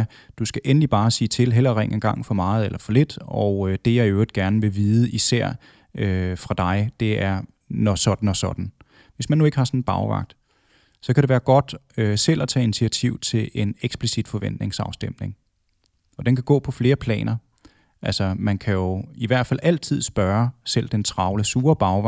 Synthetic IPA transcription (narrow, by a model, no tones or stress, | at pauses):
d̥usɡ̥æʔenəlib̥ɑ̈ːsḭːt͡sʰe̝lɦel̰ɐʁeŋ̰enɡ̥ɑ̈ŋ̰fɒ̽mɑ̈ːð̩ˠelʔɐfɒ̽le̝d̥ɒʊød̥e̝jɑ̈ɪød̥̚ɡ̥æɐnəʋe̝ʋiːð̞̩ˠəʔisæɐ̰ | øfʁɑ̈d̥ɑ̈ɪd̥e̝æɐ | nɒsɒ̽d̥n̩ɒsɒ̽d̥n̩ | ʋe̝smænːue̝ɡ̥əhɑ̈sɒ̽nn̩b̥ɑ̈ʊʋɑ̰̈ɡ̥̚d̥ | sɒ̽kʰæɾe̝ʋæːɐɡ̥ɒ̽d̥ | øsel̰ɒt͡sʰɛ̰ːinit͡sʰiæt͡sʰiʊ̰t͡sʰe̝le̝neɡ̥sb̥lisid̥fɒ̽ʋen̰d̥ne̝ŋsɑ̈ʊsd̥em̰ne̝ŋ | ɒ̽d̥enkʰæɡ̥ɔ̰ːpʰɒ̽fle̝ːɐpʰlɛ̰ːnɐ | ʔælsɒmænkʰæjo̝iʋæɐ̰d̥fælʔæl̰t͡sʰið̞̰ˠsb̥ɶɐsel̰d̥ent͡sʰʁɑ̈ʊləsuːɐb̥ɑ̈ʊʋɑ